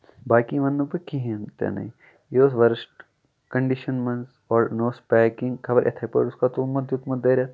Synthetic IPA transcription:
baːkiʋɐnd̪upɐkiɦẽnt̪ḛnɐ̰i | joːsʋɐɾsʈ | kɐ̃ɳɖiʃɐnmɐns | ɔːɾnoːspɛːkɪ̃ŋɡkʰɐbɐɾʔḛt̪ʰɐpɐ̰ɾʊskat̪uːmɐt̪jut̪mɐt̪d̪ɐɾaː

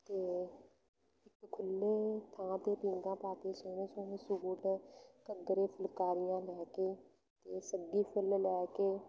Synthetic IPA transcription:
t̪eː | ɪkkʰʊlːeːt̪ʰãːt̪eːpĩːŋɡãːpaːkeːsoːnẽːsoːnẽːsʊuːʈkəd̪ɾeːpʰɪlkaːɾɪjãːlɛːkeː | t̪eːsəɡiːpʰɪllɛːkeː

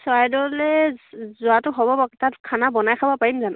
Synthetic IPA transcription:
sɔajdɔɹlɛzʊatʊɦɔbɔbɔktatkʰanabɔnajkʰabɔpaɹimzan

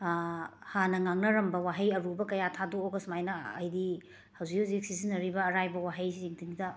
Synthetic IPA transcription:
hanɐŋaŋnɐɾɐmbɐwaɦejɐɾubɐkɐjatʰadoːɡɐsmajnɐɐ̰jdi | hɐwziozik̚sizinɐɾibɐːɾajbɐwaɦejsiziŋtʰiŋidɐ

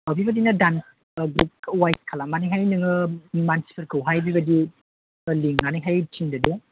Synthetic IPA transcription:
awbibɐdinɐdans | ɡup̚wajt̚kʰalamaniɦajnɯŋɯmansi̥pʰɐɾkʰɯwɦajbiβɐdi | liŋːaniɦajtʰiŋdade

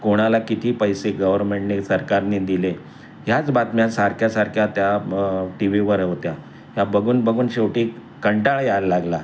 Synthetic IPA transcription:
koɽ̃alakit̪ʰiːpəjseɡəʋəɾmeɳʈnesəɾkaɾnid̪ile | ɦjat͡sbat̪mjasaɾkʰjasaɾkʰjat̪jaʈiʋiʋəɾɦot̪ja | jabəɡuːnbəɡuːnɕeʋʈiː | kəɳʈaɭjaɾlaɡla

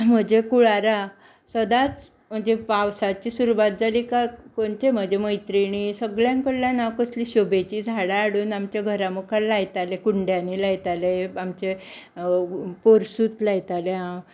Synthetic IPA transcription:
m̤əd͡ʑekuɭaɾa | səd̪at͡s | m̤əd͡ʑepawsat͡ɕiːsuɾuʋat̪̚d͡zʱaliːkakoɳt͡ɕem̤əd͡ʑeməjt̪ɾiɽ̃isəɡɭjãŋkəlljãnawkəsliːɕobet͡ɕid͡zʱaɽaːɽuːnamt͡ɕjaɡʱəɾamukʰalajt̪alekuɳɖjãniːlajt̪aleamt͡ɕe | poɾsuːt̪lajt̪aleɦã

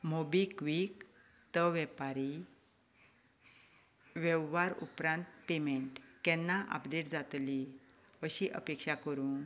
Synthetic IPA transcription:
mobikʋik | t̪əʋɛpaɾi | ʋɛʋːaɾṵpɾãnt̪pemeɳʈkɛ̃nːaʔə̰pdeʈd͡zat̪li | ʋəɕiʔəpekɕakəɾuːn

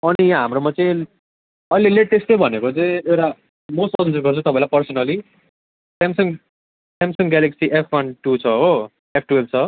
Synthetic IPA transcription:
ʌnijãɦamɾomʌt͡sʌ̃ĩ | ʌjleleʈesʈʌ̃bʱʌnekot͡sʌĩewʈa | mosʈʌnd͡zʌɾɡʌrt͡sʰũt̪ʌpãlapʌrsʌnʌli | ʈemsʌn | ʈemsʌŋɡaleksiʔepʰwʌnʈut͡sʰʌɦo | epʰʈuelt͡sʰʌ

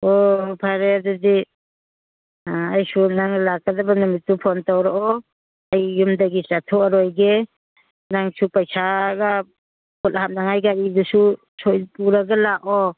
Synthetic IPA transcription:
ɔpʰaɾedɔdi | ajsunaŋlakadabanɔmitːupʰɔntawɾaʔɔ | ajːumdaɡisatʰɔaɾɔjɡe | naŋsupajsaɡa | bɔlhap̚naŋajɡaʔidusu | sɔjpuɾaɡalaʔɔ

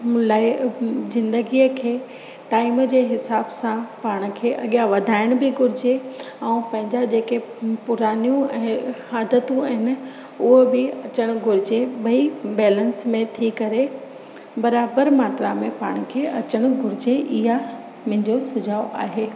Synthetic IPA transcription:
laːɪzɪ̃nd̪əɡijəkʰeː | ʈaːɪmd͡ʑeːɦɪsaːbsãpaːɽ̃̆kʰeːʔɐɠijaʋɐd̪ʱaːɪɽ̃bɪɡʊɾɪd͡ʑe | ɛ̃ũpɐ̃ɦɪ̃ɲd͡ʑad͡ʑeːkepʊɾaːnijũɛ̃ːhaːd̪ʱət̪ũɐɦɪnɪ̆ | ʊɦobɪɐt͡ɕəɽ̃ɡʱʊɾɪd͡ʑebɐibɛːlənsmẽt̪ʰikɐɾe | bɐɾaːbəɾmaːt̪ɾamẽpaːɽ̃̆kʰeʔɐt͡ɕəɽ̃ɡʱʊɾɪd͡ʑeʔɪɦa | m̃ɦɪ̃ɲd͡ʑosʊd͡ʑʱaːoʔa̰ːɦeː

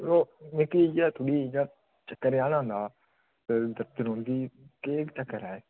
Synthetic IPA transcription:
ɾoːmekiːd͡ʒaːt̪ʰʊɽiːd͡ʒaː | t͡ʃəkːəɾjaːnãːnd̪aː | ted̪əɾt̪ənɦõːnd̪iːkeːkt͡ʃəkːəɾaːeː

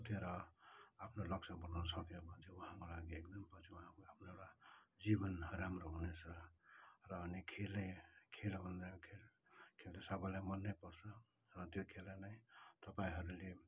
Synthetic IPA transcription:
ut̪ʰeɾʌapʰnolʌksʌbʌnunsʌkepʌt͡sʰiuɦãkolaɡiekd̪ʌmpʌt͡sʰiuɦãkoapneɾad͡zibʌnɾamɾoɦunesʰʌ | ɾʌːnikʰelekʰelɦund̪akʰel | kʰelt̪esabʌlamʌnːepʌɾsʰʌ | ɾʌt̪jokʰelanait̪ʌpaĩɦʌɾule

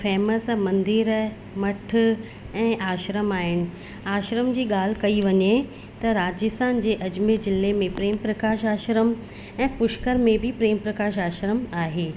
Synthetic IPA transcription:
fɛːməsmɐ̃nd̪ɪɾ | mɐʈʰʊ̆ | ɛ̃ːʔaːʃɾəmaːɦɪnɪ̆ | aːʃɾəmd͡ʑiːɠaːl̤ɪkɐiʋɐɲe | t̪ɐɾaːd͡ʑɪst̪ʰaːnd͡ʑeːʔɐd͡ʑmed͡ʑɪlemẽpɾeːmpɾɐkaːʃaːʃɾəm | ɛ̃ːpʊʃkəɾmẽbɪpɾeːmpɾɐkaːʃ̬aːʃɾəmaːɦeː

